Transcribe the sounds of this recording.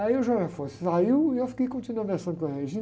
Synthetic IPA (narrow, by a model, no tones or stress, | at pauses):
ɐiewʒaʒafossaiwiewfi̥kejkõnt̪inuɐ̃nd̪ɐsɐ̃nkɐ̃ʁeɐʒĩ